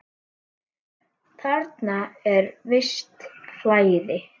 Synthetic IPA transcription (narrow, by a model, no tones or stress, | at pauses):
θʰaɾt̪naɛɾvɪst̪flaːjðɪ